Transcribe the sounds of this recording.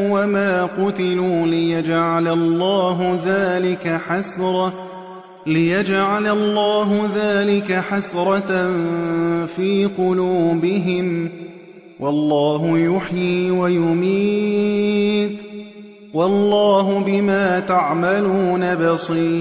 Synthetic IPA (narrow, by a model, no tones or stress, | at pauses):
wamaːqʊt̪ɪluːlɪjad͡ʒʕalalˤːɑːɦʊðaːlɪkaħasɾˤɑ | lɪjad͡ʒʕalalˤːɑːɦʊðaːlɪkaħasɾˤɑt | fiːqʊluːbɪɦɪm | wʔɑlˤːɑːɦʊjʊħjiːwajʊmiː | t̪ | wɑlˤːɑːɦʊbɪmaːt̪aʕmaluːnabɑsˤiː